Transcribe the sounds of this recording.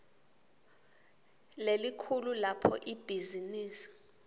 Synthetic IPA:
lelikʰululapʰɔ̰ʔib̥ʱiziniːsi̥

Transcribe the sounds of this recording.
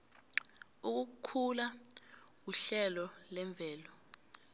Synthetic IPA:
uk̬ukʰula | k̬uɬɛlɔlɛɱb̪vʱɛːlɔ

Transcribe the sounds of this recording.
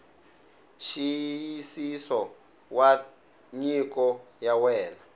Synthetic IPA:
ʃijisisɔ | wa | ɲikɔjawɛːla

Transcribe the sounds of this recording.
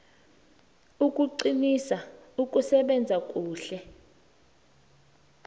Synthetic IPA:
ukʼuǀinisaukʼusɛɓɛnd͡zʱakʼuːɬɛ

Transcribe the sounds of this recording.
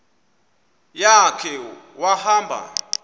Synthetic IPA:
jakʰɛ | wahaːmbʱa̰

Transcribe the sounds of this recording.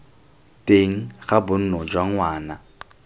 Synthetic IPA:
tʼeŋ̩χabʊn̩nɔd͡ʒwaŋ̩waːna

